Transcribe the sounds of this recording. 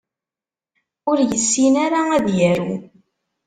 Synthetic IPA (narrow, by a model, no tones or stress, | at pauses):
ʊɾjəsːinaɾaæðjæɾu